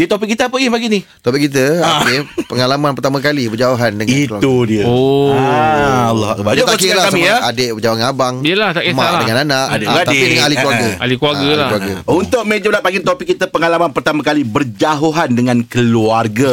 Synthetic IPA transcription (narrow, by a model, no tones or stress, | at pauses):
diət̪op̬ɪkːit̪əapəipaɡinit̪opɪkːit̪̬əkepəŋalamãnpərt̪amãkalibərd͡ʒaoɦandəŋaitlaudiəo | alːɔ̰a̰ʔbat̪akilahasmĩaadeʔbəd͡ʒawaŋabaŋiəlaht̪akmaʔladəŋãnanaʔadat̪idəŋanaliklwaɡəalikluaɡəliaklwaɾɡaunt̪ʊʔ̚mẽd͡ʒəlaʔpaɡɪŋt̪opɪkːit̪əpəŋalamanpərt̪amãkalibərd͡ʒaɦoɦandəŋãnkəluarɡa